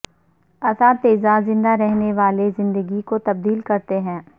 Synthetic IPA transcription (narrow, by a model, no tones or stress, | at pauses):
ɐsat̪eːzazɪ̃nd̪aɾɛɦneʋaːlezɪ̃nd̪əɡikot̪ɐb̚d̪iːlkɐɾt̪eɦɛ̃ː